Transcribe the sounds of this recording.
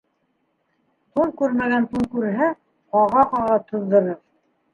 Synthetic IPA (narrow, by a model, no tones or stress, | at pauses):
t̪ulˠkʉɾmæɡænt̪ulˠkʉɾɦæ | qɑʁɑqɑʁɑt̪ʰɤ̆ðd̪ɤ̆ɾɤɾ